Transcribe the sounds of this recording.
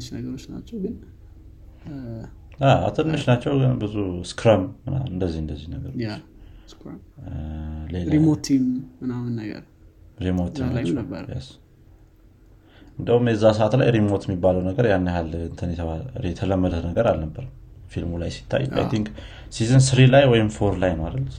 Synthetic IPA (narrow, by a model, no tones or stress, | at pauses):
ɨt͡ʃnəɡəɾo̞t͡ʃːna̰t͡ʃːɛwɡɨn | aa̰t̪ʰɨnːɨʃnat͡ʃːɛwɨbɨzuskɾamːɨna̰ɨnd̪əzːihɨnd̪əzːihnəɡəɾot͡ʃsk | lelɾaimot̪ʰimːɨnamɨnːəɡə̰ɾ | ɾimot̪ʰːimat͡ʃːja̰s | ɨnd̪əhumjɛzːasəat̪lajɾimot̪jɛmːibːaləwnəɡəɾjanːaɦalɨnt̪ʰənjɛt̪ʰəβaɛt̪ʰələmːəd̪ənəɡəɾalnəbːəɾ | filmulajsi̥t̪ʰːa̰jːa̰jt̪ʰiŋk | sizɨnsɨɾilajwɔjɪmfoɾlajnəwaləlː